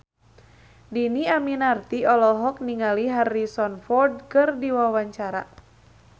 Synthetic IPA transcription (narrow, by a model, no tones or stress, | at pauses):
diniaminart̪iɔlɔɦɔk̚niŋaliɦarːisɔnfɔrd̚kɨrdiwawaɲt͡ʃaɾa̰